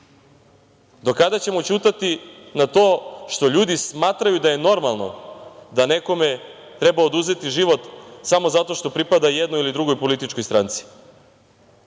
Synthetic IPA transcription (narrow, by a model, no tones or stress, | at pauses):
d̪o̞kad̪at͡ɕe̞mo̞t͡ɕuːt̪at̪inat̪o̞ːʃt̪o̞ʎuːd̪ismaːt̪ɾajud̪aje̞no̞ɾmalˠno̞̰d̪ane̞ko̞me | t̪ɾe̞baod̪uze̞t̪iʒiʋo̞t̪samo̞zat̪o̞ʃt̪o̞pɾipad̪ajed̪nojilid̪ɾuɡo̞jpo̞lit̪it͡ʃko̞jst̪ɾant̪si̥